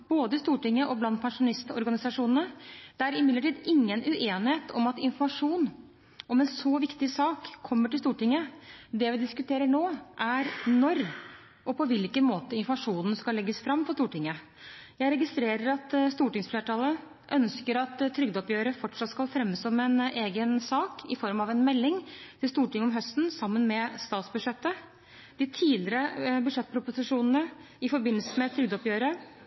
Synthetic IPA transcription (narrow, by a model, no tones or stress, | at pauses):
b̥oːd̪əɪst̪uːʈɪŋːəʔɔblɑnd̪̚pʰɛnʂʊnɪst̪ɔ̰ɾɡɑnɪsɑʂuːnənəd̪̥ɛæɾɪmɪd̪əʈiːd̪ɪŋːənʉʔeːnɪheːt̪ʰɔmɑt̪ɪnfɔɾmɑʂuːn | ɔmɛnsɔʋɪkt̪ɪsɑːkʰːɔmːəʈɪlst̪uːʈɪŋːəd̪ɛʋɪd̪ɪskʉt̪ʰeːɾəɳoːʔæɾnɔɾ | ɔpɔʋɪlkənmoːt̪əɪnfɔmɑʂuːnn̩skɑllːɛɡːəsfɾɑmːpʰɔst̪uːʈɪŋːə | jæɪɾɛɡɪst̪ɾeːɾəɾɑt̪st̪uːʈɪŋsfleːʈʰɑlə | ʔœnskəɾɑt̪t̪ʰːɾʏɡd̪ɔpjøːɾəfɔʈʂɑt̪skɑlfɾɛmːəsɔmɛneːɡənsɑːkɪfɔɾmɑʋɛnmɛlːɪŋt̪ʰɪlst̪uːʈɪŋːəɔmɦœst̪n̩sɑmːənmɛst̪ɑːt̪sbʉʂɛt̪ːə | d̪̥ɪt̪ʰiːlɪɾəbʉd̪ʂɛt̪ːpʰɾʊpʊsɪʂuːnn̩ə | ɪfɔɾbɪnːəlsəmɛt̪ʰɾʏɡd̪ɔpjøːɾə